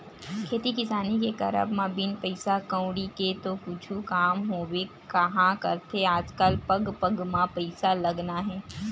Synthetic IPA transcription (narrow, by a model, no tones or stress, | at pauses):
kʰeːt̪ikɪsaːnikekɐɾə̰bmãbinpɐɪsakə̃ʊ̃ɽiket̪okʊt͡ʃʰukaːmɦoːwe | kɐɦãkɐɾt̪ʰeaːd͡ʒkəlpɐɡpəɡmãpɐɪsalɐɡnaɦɛː